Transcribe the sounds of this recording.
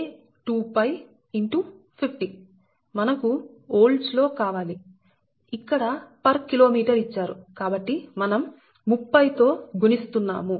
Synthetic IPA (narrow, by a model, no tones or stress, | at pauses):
ʈuːpɐj | iɳʈu | pʰipʰʈi | mɐnɐku | oːlɖslo̞ːkaːʋaːli | ikːɐɽɐpɐɾkilo̞ːmiːʈɐɾit͡ʃːaːɾukaːbɐʈːimɐnɐmː | upːɐjt̪o̞ːɡunist̪unːa̰ːmu